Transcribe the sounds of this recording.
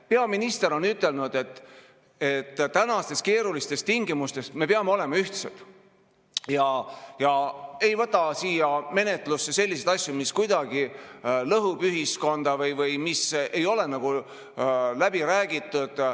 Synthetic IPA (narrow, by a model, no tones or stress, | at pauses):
pe̞ɑminist̪e̞ɾo̞nyt̪ːˑe̞lnud̪̥e̞t̪ | e̞t̪ːænɑst̪e̞ske̞ːɾulist̪e̞st̪iŋɡimust̪e̞sme̞peɑmeo̞le̞mɑyht̪sed̪̥ | jɑjɑe̞jvɤt̪ːˑɑsiːjɑme̞net̪ˑlusːe̞selʲːise̞d̪ɑsʲjumiskujd̪̥ɑɡ̥ilɤɦupyɦisko̞nd̪̥ɑvɤjvɤjmise̞jo̞lenɑɡ̥u | læb̥iɾæːɡit̪ˑːud̪̥